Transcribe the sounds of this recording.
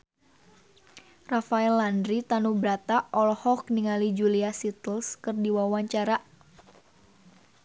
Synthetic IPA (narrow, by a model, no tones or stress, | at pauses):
rafaɛlːandɾit̪anubɾat̪aʔɔlhɔkniŋalid͡ʒuliasit̪əlskɨrdiwawaɲt͡ʃaɾa